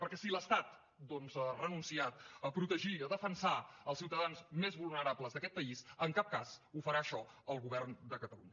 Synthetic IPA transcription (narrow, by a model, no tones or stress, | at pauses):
pəɾkɛsiləst̪at̪ | d̪ɔnzərənunsiat̪əpɾut̪əʒiəðəfənsaəlˠsiwt̪əðanzmezβulˠnəɾapləzðəkɛt̪̚pəizəŋkap̚kazufəɾaəʃɔəlˠɣuβɛrnd̪əkət̪əlṵɲə